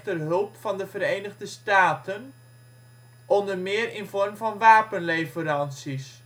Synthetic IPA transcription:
tərɦɵlˠpfɑndəvəɾejnəɣdəstaːtʰən | ʔɔndərmɪːrɪnvɔrmvɑnʋaːpənlejvəɾɑnsis

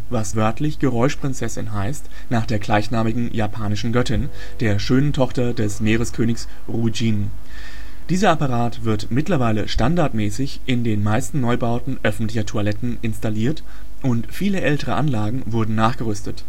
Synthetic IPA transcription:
vasvœɐtʰlɪçɡ̥əʁɔʏʃpʁ̥ɪnt͡sɛsɪ̰nɦaɪst | naːχd̥eːɐɡlaɪçnaːmɪɡŋ̩jaːpʰaːnɪʃn̩ɡœtɪn | d̥eːɐʃøːnəntʰɔχtɐdɛsmeːʁ̞əskʰøːnɪçs | ʁud͡ʒiːn | d̥iːzɐapaʁaːtv̥ɪɐtmɪtlɐvaɪlə̰ʃtandaɐtmɛːsɪçʔɪndeːnmaɪstn̩nɔʏbaʊtn̩ʔœfn̩tlɪçɐtʰualɛtn̩ʔɪnstaliːɐt | ʔʊntfiːləʔɛltəʁ̞əʔanlaːɡŋ̩vʊɐdn̩naːχɡ̥əʁʏstət

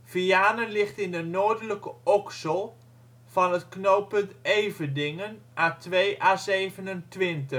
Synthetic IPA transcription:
fiaːnəlɪχtɪndənoːdələkəɔksəlˠ | v̥ɑnətknowpəntejvədɪŋənʔaːtʋejʔaːzejvənəntʋɪntə

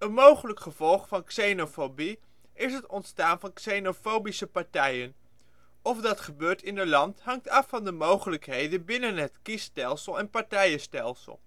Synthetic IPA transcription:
ənmowχələkχəv̥ɔlˠχfɑnksenofobi | ʔɪsɦətɔntstaːnvɑnksenofowbisəpɑɹtɛjən | ɔfdɑtχəbøːɹtɪnəlɑntɦɑŋtɑfɑndəmowχələkɦejdənbɪnənɦətkistɛlˠsəlˠɛnpɑɹtɛjəstɛlˠsə̰lˠ

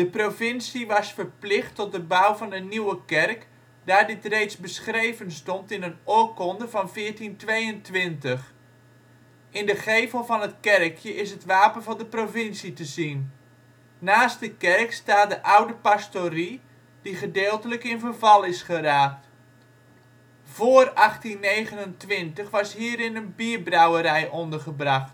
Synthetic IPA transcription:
d̥əprofɪnsiʋɑsfəɹplɪχtɔt̚dəbawvɑnəniwəkɛrk | daːɹdɪtrejtsbəsχrejvənstɔntɪnənoːkɔndəvɑnvɪːɹtintʋejəntʋɪntəχ | ɪndəχejvəlˠvɑnətkɛrkʰjəʔɪsɦətʋaːpənvɑndəprofɪnsitəzin | naːst̚dəkɛrkstaːdəʔawdəpastori | d̥iχədɪːlˠtələkɪnvərvɑlˠɪsχəraːk̚t | v̥oərɑχtinːeːɣənəntʋɪntəχʋɑshiːɾɪnənbiəbrawəɾɛjʔondərχəbrɑχt

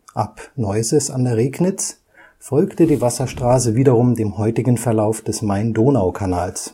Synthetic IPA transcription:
ʔapnɔʏzəsa̰ndeːɐʁeːknɪt͡s | fɔlktədiːvasɐʃtʁ̥aːs̬əviːdɐʁʊmdeːmhɔʏtɪɡn̩fɛɐlaʊfd̥ɛsmaɪndoːnaʊkʰanaːls

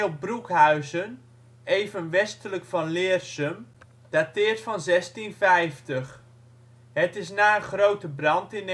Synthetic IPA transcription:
lˠbrukɦœɥzən | ejvənʋɛstələkfɑnlɪːrsəm | d̥atɪːɹtfɑnzɛstinvɛjftəχ | ɦətɪsnaːəχrowtəbrɑntɪn

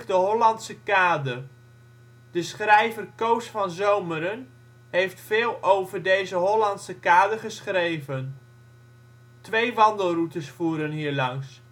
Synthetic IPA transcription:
dəɦɔlɑntsəkaːdər | d̥əsχrɛjvərkowsfɑnzowməɾən | ɦejftfeːlˠowvəɹdejzəɦɔlɑntsəkaːdərχəsχrejvən | tʋejʋɑndəlˠrutəsfuːɾənɦiːɹlɑŋs

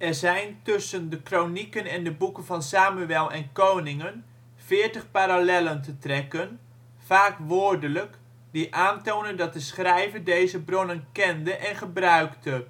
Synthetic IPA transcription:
ʔɛrɹzɛjntʏsəndəkrownikənɛndəbukənvɑnsaːmyɛlˠɛnkownɪŋən | fɪːɹtəχpaːɾalɛləntətrɛkən | faːkʋoːɹdələk | diʔaːntownəndɑt̚dəsχrɛjvədejzəbronənkɛndəʔɛnχəbrœɥktə

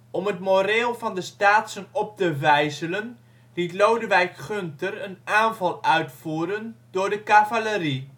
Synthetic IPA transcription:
ɔmətmoreːlˠvɑndəstaːtsənɔp̚təʋɛjzələn | litlowdəʋɛjkχøntərənaːnvɑlˠœɥtfuːɾənd̥ʊːɹdəkavaləri

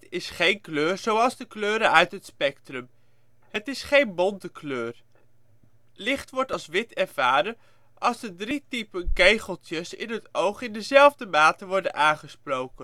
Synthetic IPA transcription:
tɪsχejnkløːɹzowɑlˠzdəkløːɾənœɥtɦətspɛktrəm | hətɪsχejnbɔntəkløːr | lɪχtʋɔɹtɑlˠsʋɪtʰɛɹv̥aːɾən | ʔɑlˠzdədritipənkejχəlˠtəsɪ̰nɦətowχɪndəzɛlˠvdəmaːtəʋɔɹdənʔaːnχəsprowkən

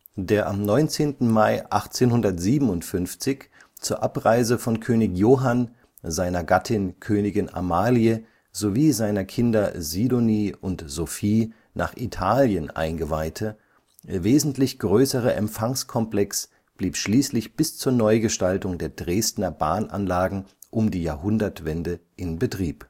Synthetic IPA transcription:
d̥eːɐʔamnɔʏnt͡seːntn̩maɪʔaχt͡seːnhʊndɐtz̥iːbm̩ʊntfʏnft͡sɪç | t͡suːɐʔapʁaɪzəfɔnkʰøːnɪçjoːɦan | zaɪnɐɡatʰɪnkʰøːnɪɡɪnʔa̰maːliə | zoviːzaɪnɐkʰɪndɐziːdoniːʔʊntz̥ofiː | nʔa̰ːχʔitʰaːljənʔa̰ɪnɡəvaɪtʰə | veːzn̩tlɪçɡ̥ʁøːsəʁɐʔɛ̰mfaŋskʰɔmplɛks | b̥liːpʃliːslɪçb̥ɪst͡suːɐnɔʏɡəʃtaltʊŋdeːɐdʁeːstnɐba̰ːnʔa̰nlaːɡŋ̩ʔʊmdiːjaːɐhʊndɐtv̥ɛndəʔɪnbətʁ̥iːp

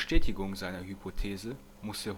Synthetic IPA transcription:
ʃtɛːtɪɡʊŋzaɪnɐhypʰotʰeːzə | mʊsə

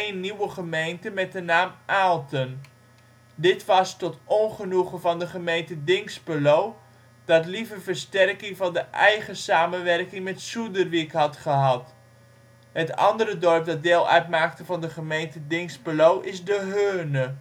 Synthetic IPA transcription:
nːiwəχəmejntəmɛt̚dənaːmʔalˠtən | dɪtʋɑstɔtɔnχənuχəvɑndəχəmejntədɪŋspəlow | d̥ɑtlivərvərstɛrkɪŋvɑndəʔɛjχəsaːmənʋɛrkɪŋmɛtsudərʋikɦɑtχəɦɑt | ɦətɑ̰ndəɾədɔrp̚dɑt̚deːlˠœ̰ɥtmaːk̚təvɑndəχəmejntədɪŋspəlowʔɪzdəɦøːnə

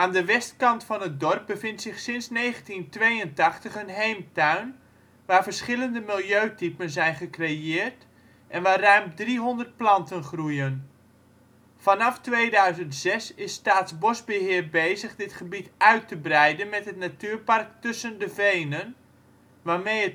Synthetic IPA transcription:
ʔaːndəʋɛstkɑntfɑnɦət̚dɔrp̚bəvɪntsɪχsɪnsnejχəntintʋejəntɑχtəχənɦejmtœɥn | ʋaːɹvərsχɪləndəmɪlˠjøɥtipənzɛjnχəkrejɪːrt | ʔɛnʋaːrœɥmdriɦondərt̚plɑntənχrujən | fɑnɑftʋejdœɥzəntz̥ɛsɪsːtaːtzbɔsbəɦɪːɹbejzəχdɪtχəbitœɥtəbrɛjdənmɛtɦətnatyːɹpɑrk̚tɵsəndəvejnən | ʋaːɹmejət

